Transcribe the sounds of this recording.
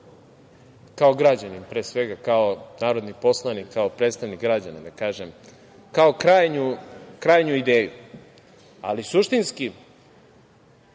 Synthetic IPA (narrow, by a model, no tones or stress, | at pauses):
kao̞ɡɾad͡ʑanimpɾeːsʋe̞ɡakaonaːɾo̞d̪nipo̞slˠanikʰːaopɾeːt̪st̪aʋnikɡɾad͡ʑanad̪akaːʒem | kao̞kɾaːjɲukɾaːjɲuid̪eːju | a̰lisuʃt̪inski